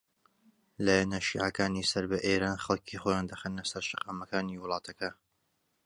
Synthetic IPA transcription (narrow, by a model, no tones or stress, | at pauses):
laːjanɐʃḭːʕakaːniːsɐɾbɐʔeːɾaːnxɑlˠcʰiχojaːnd̪ɐxenːɐsɐɾʃɨqɑːmɐkaːniːwɨlˠɑːt̪ʰɐkʰɐ